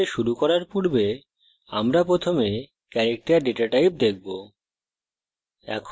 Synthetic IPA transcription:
eʃuɾukɔɾaɾpuɾbe | amɾapɾot̪ʰome | kɛɾek̚ʈaɾɖeʈaʈajp̚d̪ek̚bo | ɛ̰kʰ

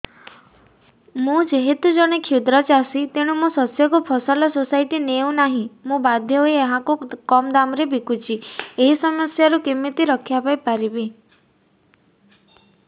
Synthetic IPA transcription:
mũd͡ʒeɦet̪ud͡ʒɔɽ̃ekʰud̪ɾɔt͡ʃasit̪eɽ̃umũsɔsjɔkupʰɔsɔlɔsosajʈineũnaɦĩmũbad̪ʱjɔɦoieɦãkukɔmd̪amɾebʱikut͡ʃʰieɦisɔmɔsjaɾukimːit̪iɾɔkʰjapajpaɾibi

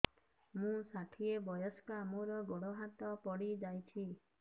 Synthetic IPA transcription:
mũsaʈʰiebɔjɔskɔamuɾɔɡoɽoɦat̪ɔpɔɽid͡ʒajt͡ʃʰi

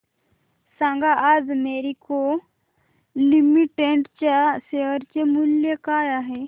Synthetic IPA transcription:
sãŋɡʱaʔad͡zmeɾiko | limiʈeɳʈt͡ɕaseəɾt͡ɕemuljəkajaɦe

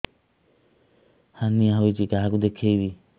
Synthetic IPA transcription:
haniaɦɔjt͡ʃikaɦakud̪ekʰejbi

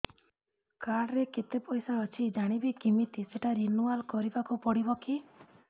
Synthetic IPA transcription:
kaɽɾeket̪epɔjsaɔt͡ʃʰid͡ʒaɽ̃ibikimit̪iseʈaɾinualkɔɾibakupɔɽibɔki

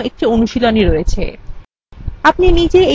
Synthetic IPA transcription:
ek̚ʈionuʃiloniɾoet͡ɕʰḛ | apninid͡ʑee

